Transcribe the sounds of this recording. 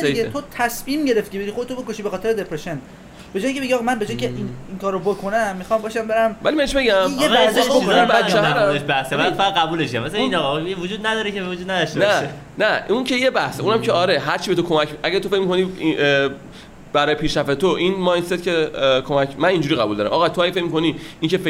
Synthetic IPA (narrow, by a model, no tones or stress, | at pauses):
iet̪ʰot̪ʰæsmiːmɟe̞ɾeft̪iceeɾixod̪et̪obe̞koʃiːbe̞xɒːt̪ʰeɾed̪epʰɾeʃen | b̥e̞d͡ʒɒːjiŋkʰʲe̞beɡiɒɣɑmænbe̞d͡ʒɒːjiŋcʰeʔiniŋkʰɒːɾobokʰonæmːixɒːmbɒːʃæmbe̞ɾæmvælimæneʃbe̞ɟæmjemæhseobæt͡ʃːæɾæʃbæhsefæad̪̚ɣæbuːleʃamæsæinɒɣɒevod͡ʒuːd̪̚næd̪ɒːɾekevod͡ʒuːd̪̚næd̪ɔʃtenæʃe | næʔuncʰejebæhseuːnæmcʰeɒɾeɦæɾt͡ʃʰibe̞t̪ʰokʰo̞mækʔæɟæɾt̪ʰo̞fe̞cmikʰo̞ni | b̥æɾɒːjepʰiːʃɾæft̪et̪ʰoʔinmɒjnset̪cʲʰekʰomækmæniːnd͡ʒuɾiːɣæbuld̪ɒːɾæ̰mʔɒːɣɑt̪ʰoæjefecmikʰo̞niiŋcʰefe